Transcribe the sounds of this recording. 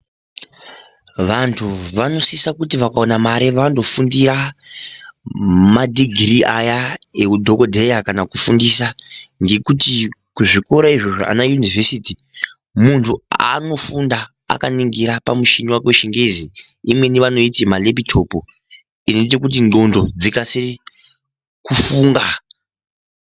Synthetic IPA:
ʋantʰuʋano̞sisakutiʋakao̞namaɾeʋando̞fundiɾa | madʱiɡʱriʔajaeudʱo̞kodʱejakanakufundisaŋɡe̞kutikuʐiko̞ɾaiʐo̞ʐoa̰najunivʱesiti | muntʰua̰no̞funda̰ː | kaniŋɡiɾapamuʃiniwakweʃiŋɡezi | imwe̞niʋano̞itimalebitʰopo | inoit̬ek̬ut̬ino̞ndo̞d͡zikasi | kufuːŋɡa

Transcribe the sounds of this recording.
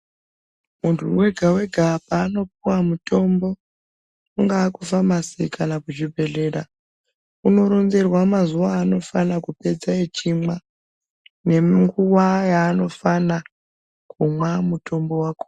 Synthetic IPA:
muntʰuwe̞ɡʱawe̞ɡʱap̚aːno̞p̚uwamuto̞mbo̞ | uŋɡaːkufamasikʰanakuʐibʱe̞ɮe̞ːɾa | uno̞ɾo̞nze̞rwamazuwaːno̞fanakupe̞d͡zaet͡ʃima | ne̞ŋɡuwajaːno̞fana | kʰumwamuto̞mbo̞waːko̥

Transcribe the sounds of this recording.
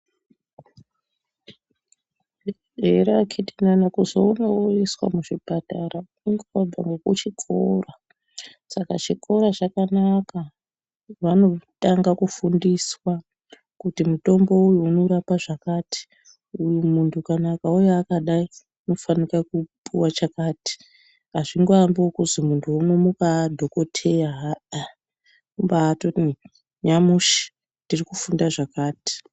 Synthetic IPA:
eɾakʰitinanakuzounoiswa̰muʐibataɾa | iŋɡoab͡va̰ŋɡokut͡ʃikʰora | sakat͡ʃikʰo̞ɾat͡ʃakanaka | ʋano̞taŋɡakufundiswa | kutimuto̞mbo̞ujuːno̞ɾapaʐakaːti̥ | ujumuntʰukanakaujoakaɗai | uno̞fanikakupʼuwat͡ʃakaːti̥ | ɦaʐiŋɡoambiokuzimuntʰuunomukadʱo̞ko̞tʰejaɦa | mumbaːto | ɲamuʃi̥ | ntirikufundaʐakaːti̥

